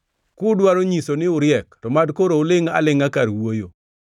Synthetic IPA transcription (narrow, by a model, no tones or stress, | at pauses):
kʊdwaɾoɲisonɪʊɾjɛktɔmadkoɾoʊlɪŋa̰lɪŋakaɾwojo